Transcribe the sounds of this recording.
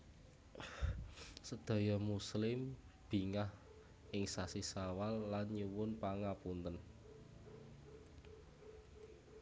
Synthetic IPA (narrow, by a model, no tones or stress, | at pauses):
səd̪̥a̤jɔmuslɪm | b̥i̤ŋah | ɪŋsasisawalːanɲuwʊnpaŋapunt̪ən